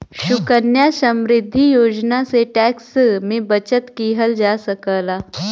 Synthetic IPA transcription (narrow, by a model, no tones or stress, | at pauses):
ɕukənjasəmɾɪd̪ʱːijod͡ʑnaseʈæksmebət͡ɕət̪kiːɦəld͡ʒasəkəla